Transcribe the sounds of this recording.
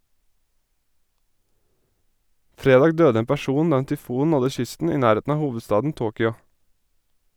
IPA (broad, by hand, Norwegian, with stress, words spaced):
ˈfɾeːdɑːɡ ˈdøːdə ˈeːn pæˈʃuːn ˈdɑː ˈeːn tʏˈfuːn ˈnɔdə ˈʃʏstn̩ ˈiː ˈnæːˌɾeːtn̩ ˈɑː ˈhuːʋədˌstɑːdn̩ ˈtoːkʏɑ